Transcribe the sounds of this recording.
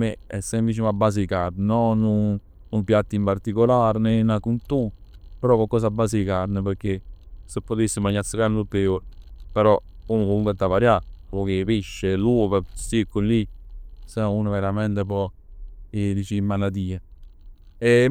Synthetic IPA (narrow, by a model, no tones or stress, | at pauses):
eɛ̰sːɛmplit͡ʃunabːaːs̬eikarnnɔnːu | umpjat̪ːimpart̪ikolaɾnenakunt̪upeɾɔkːalkːɔːs̬abːas̬eikaɾnepeɾk̟ːesepːot̪esːimaɲːat̪səkarnupeːolpeɾɔunkouŋkɛt̪ːavaɾjapɔkepiʃːeluːpesikːunlisɛnuːnaveɾamɛnt̪ep̬ɔ | elit͡ʃimːalad̪iːe | e